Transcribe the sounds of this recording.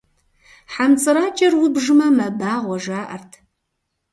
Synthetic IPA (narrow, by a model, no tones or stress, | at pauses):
ħamt͡sʼɨɾaːt͡ʃʼɐrwʊbʒɨmɐmɐbaːʁʷɔʒaːʔɐ̰rtʰ